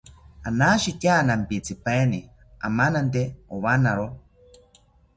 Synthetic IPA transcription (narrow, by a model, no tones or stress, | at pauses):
anaʃitʲjanampit͡sipeni | a̰manant̪eoβanaɾo